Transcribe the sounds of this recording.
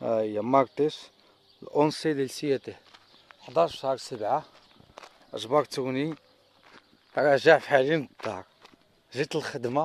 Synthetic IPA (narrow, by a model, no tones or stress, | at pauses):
jːamɑɾt̪is | lʔonsid̪ilsijæt̪ih | ħd̪ɑɾʃhɑɾˤsəbʕa | ʔəʒbɑɾt̪uni | ɾˤɑʒaʕfħalind̪ˤɑ̰ɾ | ʒit̪əlxəd̪ma